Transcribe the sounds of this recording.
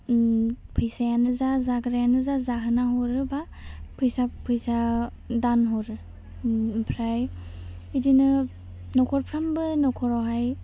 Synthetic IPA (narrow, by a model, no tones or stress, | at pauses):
pʰɯjsajanɯzazaɡɯɾajanɯzazaɦɯnaɦɔɾɯba | pʰɯjsapʰɯjsa | danɦɔɾɯ | pʰɾaj | idinɯ | nɔkʰɔɾpʰɾambɯnɔkʰɔɾɔɦaj